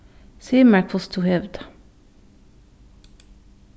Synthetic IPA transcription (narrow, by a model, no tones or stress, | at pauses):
siːəmæɹkl̩st̪ʰuːhɛʋd̪